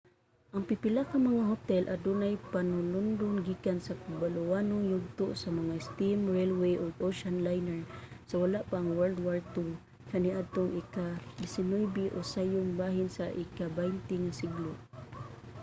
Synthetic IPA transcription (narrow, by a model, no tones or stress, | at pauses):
ʔaŋpɪpɪlakamɐŋaɦot̪ɛlʔad̪unajpanʊlʊnd̪ʊnɡiːkansakʊbalʊwaːnʊŋjʊɡ̚t̪ʊʔsamɐŋast̪imɹɛlwejʔoɡʔoʃanlajnɛɹsawalaʔpaːŋwɛɹld̪waɹt̪u | kʰaniʔad̪̚t̪oŋʔikad̪ɪsɪnujbiʔosajʊŋbaɦɪnsaʔɪkabajnt̪ɪŋasɪɡlʊ